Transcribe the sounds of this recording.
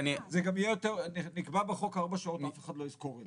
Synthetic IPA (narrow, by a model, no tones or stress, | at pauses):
anizeɡamijejot̪eʁninikbabeχo̞kaʁbaʃao̞t̪mafeχad̪loizkoʁi